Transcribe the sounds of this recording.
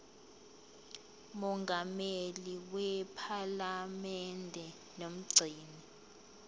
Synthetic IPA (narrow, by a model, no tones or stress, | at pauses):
mɔŋɡʱameliwɛpʰalamɛndʱɛ | nom̩ɡ͡ǀʱiːni